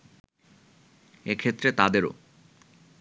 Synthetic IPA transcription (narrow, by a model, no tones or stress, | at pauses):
ekʰet̪ːɾet̪ad̪eɾo̰